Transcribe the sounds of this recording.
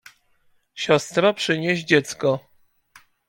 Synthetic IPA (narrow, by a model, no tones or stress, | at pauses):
ɕɔst̪ɾapʂɘɲeʑd͡ʑɛt̪skɔ